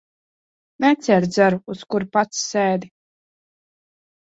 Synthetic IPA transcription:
nɛt̪sʲɛɾd̪zæɾuuskuɾpat̪sːɛːd̪i

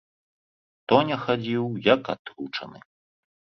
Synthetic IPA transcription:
t̪ɔnʲɛxad͡zʲiwjɐka̰t̪ɾut͡ʂɐ̰nɨ

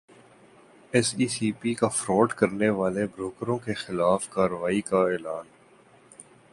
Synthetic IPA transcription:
ɛsiːsiːpikafɾɔːʈkɐɾneʋaːlebɾoːkɾõkexɪlaːfkaːɾəʋaːikaɛːlaːn

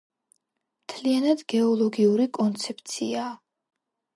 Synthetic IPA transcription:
mt̪ʰlianad̪ɡɛɔlˠɔɡiuɾikʼɔnt̪sʰɛp̚ʰt̪sʰiaː

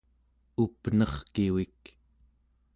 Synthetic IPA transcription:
upnʌχkiwik

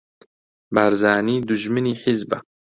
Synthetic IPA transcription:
baɾzaːniːd̪uʒmɨniːħizba

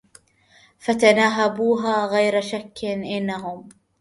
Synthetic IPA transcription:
fat̪anaːɦabuːɦaːɣajɾaʃakːɪnʔɪnːaɦʊm

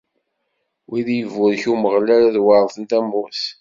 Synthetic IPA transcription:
wiðjəvʊɾçuməʁlæɾaðwaɾˤθənt̪æmːʊθ

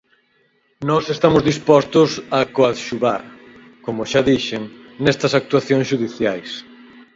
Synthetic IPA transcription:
nɔsest̪amʊzðispɔst̪ʊsɐkoat̪ʃuβa̰ɾ | komoʃaðiʃeŋnɛst̪ɐsak̚t̪waθjoŋsʃuðiθjajs

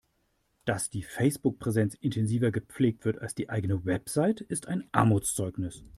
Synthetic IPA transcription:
d̥asd̥iːfɛɪsb̥ʊk̚pʁ̥ezɛnt͡sʔɪntʰɛnziːvɐɡəp͡fleːk̚tv̥ɪɐtalsd̥iːʔaɪɡənəvɛpz̥aɪtəɪstʰaɪnʔa̰ɐmuːt͡st͡sɔʏknɪs

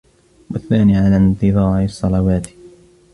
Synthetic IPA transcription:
waθːaːniːʕalaːnt̪ɨðˤɑːʕɪsˤːɑlɑwaːt̪

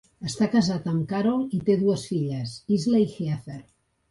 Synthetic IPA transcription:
əst̪akazat̪amkaɾolit̪eðuəsfiʎəsizlaixeaθeɾ

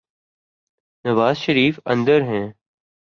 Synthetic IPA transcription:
nəʋaːzʃəɾiːfə̃nd̪əɾɦɛ̃ː

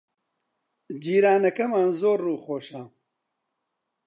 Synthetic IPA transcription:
d͡ʒiːɾaːnɐkɐmaːnzoːɾːuːxoːʃa

